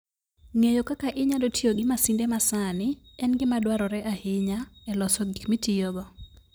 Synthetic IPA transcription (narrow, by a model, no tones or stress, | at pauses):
ŋejokakaʔɪɲadotʰioɡɪmasindemasanɪɛnɡɪmadwaɾɔɾɛʔahɪɲaɛlɔsɔɡikmitɪjoɡɔ